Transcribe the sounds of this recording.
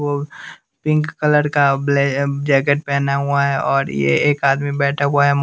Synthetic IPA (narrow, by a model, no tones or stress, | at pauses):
o | pɪ̃ŋkːələɾkabled͡ʒɛːk̬eʈ̚pɛːnaɦʊaɦɛʔɔːɾjḛeːkaːd̪mibɛːʈʰaɦʊaɦɛm